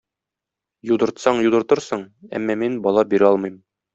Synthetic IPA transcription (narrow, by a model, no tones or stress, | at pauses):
jud̪ɤ̆ɾt̪sɑɴjud̪ɤ̆ɾt̪ɤ̆ɾsɤɴæ̰mːɑminbɒlˠɑbiɾɘɒlˠmɤ̆jm